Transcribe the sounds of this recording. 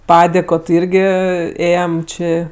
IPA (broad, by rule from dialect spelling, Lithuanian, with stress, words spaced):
ˈpɑːdʲeːkoː tʲɪ ˈɪrʲɡʲɪ ˈeːjɛm ˈt͡ʃʲɪ